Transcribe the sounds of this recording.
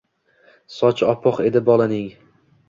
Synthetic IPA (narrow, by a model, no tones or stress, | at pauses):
sɒt͡ʃʰɒpʰɒqe̞d̪ɪbɒlˠanɪŋ